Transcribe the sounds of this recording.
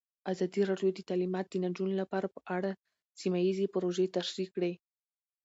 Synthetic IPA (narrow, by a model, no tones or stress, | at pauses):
azɑd̪iɾɑɖjod̪ət̪alimɑt̪̚d̪ənad͡ʒunlapɑɾapəʔaɽa | simajizepɾoʒet̪aʃɾikːɽe